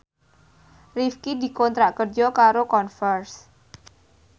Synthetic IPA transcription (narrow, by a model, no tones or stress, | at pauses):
rifkid̪i̤kɔnt̪ɾaʔkərd͡ʒɔkaɾokɔnfərs